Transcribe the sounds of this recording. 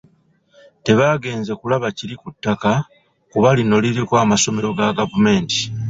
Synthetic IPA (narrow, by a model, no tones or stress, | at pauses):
te̞βaːɡe̞ːnze̞kulaβaciɾikutːaka | kuβalino̞liɾikwaːmaso̞me̞ɾo̞ɡaɡavume̞ːnti̥